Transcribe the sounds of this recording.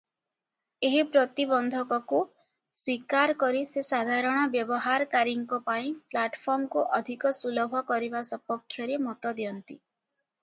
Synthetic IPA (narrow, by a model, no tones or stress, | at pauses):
eɦipɾɔt̪ibɔnd̪ʱɔkɔku | swikaɾkɔɾisesad̪ʱaɾɔɽ̃ɔbjɔbɔɦaɾkaɾiŋkɔpaĩplaʈpʰɔɾmkuʔɔd̪ʱikɔsulɔbʱɔkɔɾibasɔpɔkʰːjɔɾemɔt̪ɔd̪iɔnt̪ḭ